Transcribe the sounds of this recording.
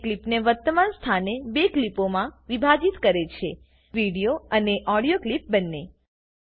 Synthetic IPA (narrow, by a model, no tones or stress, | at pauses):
klipneʋəɾt̪əmanst̪ʰanebeklipomãʋibʱad͡ʒit̪kəɾet͡ʃʰe | ʋiɽijoəneʔɔɽijoklip̚bənːe